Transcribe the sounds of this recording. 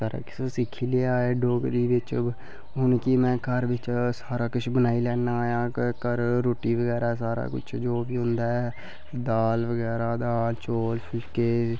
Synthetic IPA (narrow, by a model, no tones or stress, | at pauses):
t̪əɾa̰ːkɪ̥soːsɪkʰːiːleaːeːɖoːɡd̪iːʋɪt͡ʃ | ɦʊnkɪmɛ̃ːkəɾʋɪt͡ʃsaːɾaːkʊt͡ʃʰbənaːiːlɛːnaːjãːkəɾːoːʈiːʋəɡɛːɾaːsaːɾa̰ːkʊ̰t͡ʃʰd͡ʒoːʋiːɦʊnd̪aːɛː | d̪aːlʋəɡɛːɾaːd̪aːlt͡ʃoːlpʰɪlkeː